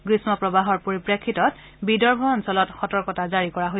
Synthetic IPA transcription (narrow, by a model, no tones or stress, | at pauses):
ɡɹismɔpɹɔbaɦɔɹpoɹipɹekʰːitɔt | bidɔɹbʱɔɔnsɔlɔtxɔtɔɹkɔtazaɹikɔɹaɦoj